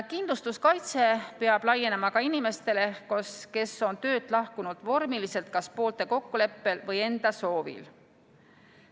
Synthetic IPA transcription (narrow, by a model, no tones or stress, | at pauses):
kind̪lust̪uskɑjt̪se̞peɑb̥lɑjːe̞nemɑkɑinime̞st̪e̞le̞koske̞so̞nt̪ø̞ːd̪̥lɑhkunud̪̥vo̞rmilise̞lt̪̚kɑspo̞ːlt̪e̞ko̞kːule̞pːe̞lvɤje̞nd̪̥ɑso̞ːvḭl